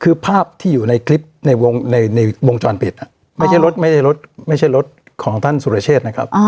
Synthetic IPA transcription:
kʰɯː˧pʰaː˥˩p̚t̪ʰiː˥˩juː˨˩na˧jkʰli˦˥p̚na˧jwo˧ŋna˧jna˧jwo˧ŋt͡ɕɔː˧npi˨˩t̪̚a˦˩ | ma˥˩jt͡ɕa˥˩ɾo˦˥t̪̚ma˥˩jt͡ɕʰa˥˩jɾo˦˥t̪̚ma˥˩jt͡ɕʰa˥˩jɾo˦˥t̪̚ | kʰɔː˩˦ŋt̪ʰa˥˩nsu˨˧ɾa˧t͡ɕʰeː˥˩t̪̚na˦˥kʰɾa˦˥p̚ʔ

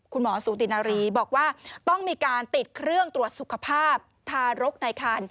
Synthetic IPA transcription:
kʰu˧nmɔː˩˦suː˩˦t̪i˨˩naː˧ɾiː˧bɔː˨˩k̚waː˥˩t̪ɔ˥˩ŋmiː˧kaː˧nt̪i˨˩t̪̚kʰɾɯ˥˩əŋt̪ɾu˨˩ət̪̚su˨˩kʰa˧pʰaː˥˩p̚t̪ʰaː˧ɾo˦˥k̚na˧jkʰa˧n

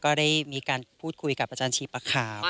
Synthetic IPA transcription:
kɔː˥˩da˥˩jjmiː˧kaː˧npʰuː˥˩t̪̚kʰu˧jka˨˩p̚ʔa˧t͡ɕaː˧nt͡ɕʰiː˧pa˧kʰaː˧˦w

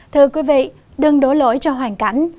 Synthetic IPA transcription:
t̪ʰɨ˧əkwi˨˦vḭ˧˨ | ɗɨ˨˩ŋɗo˨˦jlo̰˧˦jt͡ɕɔ˧ɦwaː˨˩ŋka˧˩˦jŋ̟

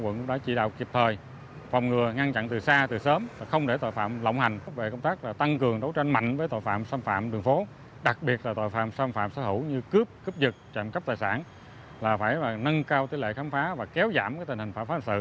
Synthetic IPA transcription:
wə̰˧˨nkʊ˧˥ŋ͡mɗaː˧˦t͡ɕḭ˧˨ɗa̰ː˧˨wki˨˩əp̚t̪ʰəː˨˩j | va˨˩wŋ͡mŋɨ˨˩əŋa˧nt͡ɕa̰˧˨nt̪ɨ˨˩saː˧t̪ɨ˨˩səː˨˦ma˨˩xə˧wŋ͡mɗe˧˩t̪jfa̰ː˧˨mlə̰˧˨wŋ͡mha˨˩ŋ̟fa˦˥ve˨˩kə˧wŋ͡mt̪aː˦˥k̚laː˨˩t̪a˧ŋkɨ˨˩əŋɗə˨˦wt͡ɕa˧nma̰˧˨jŋ̟vəː˨˦jt̪o̰˧˨fa̰ː˧˨msaː˧mfa̰ː˧˨mɗɨ˨˩əŋfo˨˦ | ɗa˨˩k̚ɓi˨˩ət̚laː˨˩t̪o̰˧˨jfa̰ː˧˨msaː˧mfa̰ː˧˨msəː˧˦hɨ̰˧˥wɲɨ˧kɨ˦˥əp̚kɨ˦˥p̚zɨ˨˩k̚t͡ɕa̰ː˧˨mkə˦˥p̚t̪aː˨˩saː˧˩n | laː˨˩faː˧˩jlaː˨˩nə˧nkaː˧wt̪i˧əlḛ˧˨xaː˨˦nfaː˨˦vaː˨˩kɛ˨˦wza̰ː˧˩˨mkaː˨˦jt̪ï̟˨˩hï˨˩ŋ̟faː˧˩faː˨˦˨sɨ̰˧˨

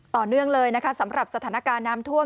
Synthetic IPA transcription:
t̪ɔː˨˩nɯ˥˩əŋlɤː˧jna˦˥kʰa˦˥sa˩˦mɾa˨˩p̚sa˧t̪ʰaː˩˦na˦˥kaː˧nːaː˦˥mt̪ʰu˥˩ə

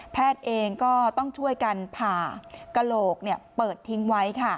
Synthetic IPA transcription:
pʰɛː˥˩t̪̚ʔeː˧ŋkɔː˥˩t̪ɔ˥˩ŋt͡ɕʰu˥˩əjka˧npʰaː˨˩ka˧loː˨˩k̚ni˥˩əpɤː˨˩t̪ʰːi˦˥ŋwa˦˥jkʰa˥˩

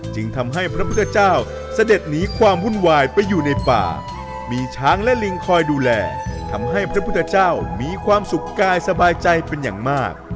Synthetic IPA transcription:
t͡ɕɯ˧ŋt̪ʰa˧mɦa˥˩jpʰɾa˦˥pʰt̪ʰːa˧t͡ɕaː˥˩w | sa˧de˨˩t̪̚niː˦˥kʰwaː˧mhu˥˩nwaː˧jpa˧jːuː˨˩na˧jpa̰ː˨˩ | miː˧t͡ɕʰaː˦˥ŋlɛ˦˥li˧ŋkʰɔː˧jduː˧lɛː˧t̪ʰa˧mɦa˥˩jpʰɾa˦˥pʰu˥t̪ʰːa˧t͡ɕaː˥˩wmiː˧kʰwaː˧msu˨˩kːaː˧jsa˧baː˧jt͡ɕa˧jpe˧nja̰ː˨˩ŋmaː˥˩k̚

